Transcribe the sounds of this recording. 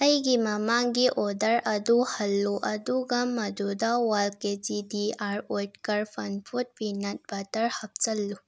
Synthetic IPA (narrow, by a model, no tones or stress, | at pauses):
ɐjɡimɐmaːŋɡiʔod̪ɐɾɐd̪uhɐlːuʔɐd̪uɡɐmːɐd̪ud̪awalket͡sid̪iaɾoʈkɐɾfɐnfʰut̪̚pinɐt̪̚bɐt̪ɐɾhɐp̚t͡sɐlːu